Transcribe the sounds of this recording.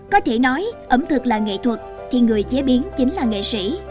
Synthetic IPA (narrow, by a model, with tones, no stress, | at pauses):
kɔ˨˦t̪ʰe˧˩nɔ˨˦jʔə˨˧˩mt̪ʰɨ˨˩k̚laː˨˩ŋḛ˧˨t̪ʰwə˨˩t̚ | t̪ʰi˨˩ŋɨ˨˩əjt͡ɕe˨˦ɓi˨˦ənt͡ɕï˨˦ŋlaː˨˩ŋḛ˧˨sḭ˧˩˥